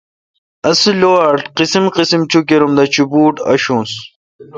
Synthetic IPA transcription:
ɐsiloaʈqisimqisimt͡ɕukiɾumd̪ɐt͡ɕubuːʈɐ̰ɕũːs

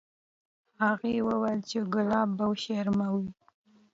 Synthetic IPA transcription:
haɣewəwejlt͡ʃeɡʊlɑbawʃeɾmawi

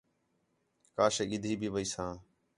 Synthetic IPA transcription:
kaːʃeːɠɪd̪ʱiːbʱiːʋəiːsãː

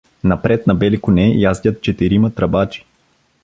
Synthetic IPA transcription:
nɐpɾɛt̪nɐbɛlikʊnɛjazd̪ʲət̪̚t͡ʃɛt̪iɾimɐt̪ɾɐbat͡ʃi̥

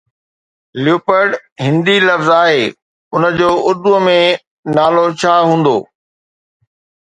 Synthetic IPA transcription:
ljuːpəɾɖɦɪ̃nd̪ilɐfzaːɦeː | ʊnəd͡ʑoːʔʊd̪uəmẽ | naːlot͡ɕʰaːɦũːn̆d̪o̰ː

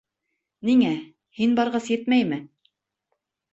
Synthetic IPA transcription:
niŋæ | hinbɑɾʁɤsjɘt̪mæjmɘ

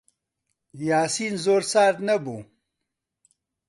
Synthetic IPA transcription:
jaːsinzoːɾsaːɾt̪nɐbu

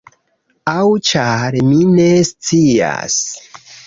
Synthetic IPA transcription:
awt͡ʃaɾminest͡sia̰s

